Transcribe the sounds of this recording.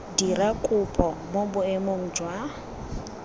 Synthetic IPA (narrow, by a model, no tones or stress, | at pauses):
dirakʼʊpʼɔmobʊemoŋ̩d͡ʒwa